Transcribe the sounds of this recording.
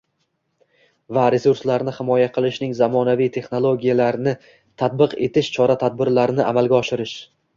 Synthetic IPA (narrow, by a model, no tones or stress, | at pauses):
vaɾe̞suɾslaɾnɪhɪmɒjaqʰɨlˠɪʃnɪŋzamɒnavijt̪ʰe̞χno̞lˠoɡʲijalaɾnɪ | t̪ʰat̪̚bɨqe̞t̪ʰɪʃt͡ʃʰɒɾat̪ʰad̪̚bɪɾlaɾɪnɪʔa̰malˠɡʲaɒʃɪɾɪʃ